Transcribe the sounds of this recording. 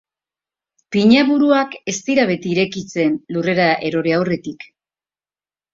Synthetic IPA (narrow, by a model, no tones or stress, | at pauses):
piɲaβuɾuake̞st̪iɾaβe̞t̪iiɾe̞kit͡se̞nlure̞ɾaʔe̞ɾo̞ɾeawre̞t̪ik